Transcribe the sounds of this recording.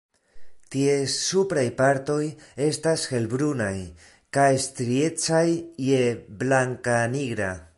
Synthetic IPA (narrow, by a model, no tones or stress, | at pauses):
tie̞supɾajpaɾt̪o̞je̞stasxe̞lbɾunaj | kajstɾie̞t͡sajjeblaŋkaniɡɾa̰